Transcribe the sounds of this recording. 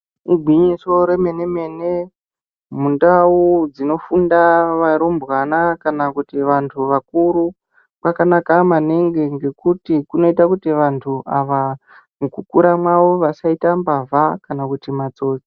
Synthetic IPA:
iɡʱwiɲiso̞ɾe̞me̞ne̞me̞ne̞ | mundaud͡zino̞fundaʋaɾombwanakanakutiʋantʰuʋakuɾu | kakanakamaneŋɡe̞ŋɡe̞kutikuno̞itakutiʋantʰuʔaʋa | mukukuɾamwaʋo̞ʋasaitambavʱakanakutimat͡so̞ːt͡si̥

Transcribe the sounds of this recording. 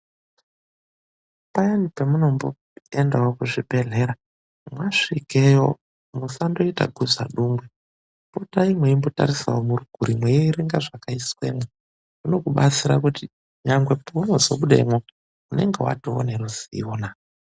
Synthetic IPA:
pajanipemuno̞mbo | endaokuʐibʱe̞ɮe̞ɾa | mwaʂikejo | musando̞ita̰ɡʱud͡zaɗuːmɡwe | potaimweimbo̞ta̰ɾisa̰womuɾuɡʱuɾimwejiɾiŋɡaʐakaiswe̞̰mwe | muno̞kuɓat͡siɾakuti | ɲaŋɡwe̞pounozoɓuɗaimwe | une̞̰ŋɡḛwa̰too̰neɾuzioːna

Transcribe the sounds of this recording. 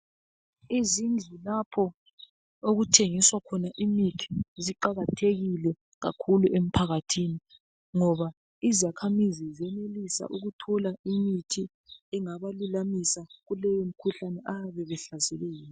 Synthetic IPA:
izind͡ɮʱilapʰɔ | oɣutʰeŋiswakʰɔnaʔimitʰi̥ziǃaɣatʰeɣilɛ | ɣa̰kʰuluʔem̩pʰaɣatʰini | ŋɔβa | izakʰamizizɛnelisa̰ʔuɣutʰɔlaimitʰi | ɛŋaβalulamisaɣulɛjom̩kʰuɬanɛʔaaβɛβɛɬazɛlɛːjːɔ

